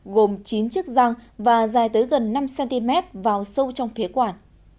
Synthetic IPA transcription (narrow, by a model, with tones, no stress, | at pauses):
ɣo˨˩mt͡ɕi˨˦nt͡ɕɨ˦˥ək̚za˧ŋvaː˨˩zaː˨˩jt̪əː˨˦jɣə˨˩nːa˧msɛ˧nt̪i˧mɛ˦˥t̚vaː˨˩wsə˧wt͡ɕɔ˧wŋ͡mfi˨˦kwaː˧˩n